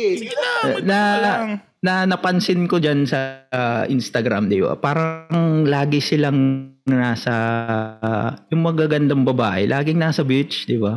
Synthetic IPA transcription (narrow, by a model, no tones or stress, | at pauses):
nɐ | nɐnɐpɐnsɪnkod͡ʒansɐʔɪnst̪ɐɡɾa̰md̪ɪba̰paːɾɐŋlaːɡɪsɪlaŋnasɐ | jʊŋmɐɡaɡɐnd̪ɐŋbɐbaːʔɛ̰lʔaːɡɪŋnasɐbɪt͡ʃd̪ɪba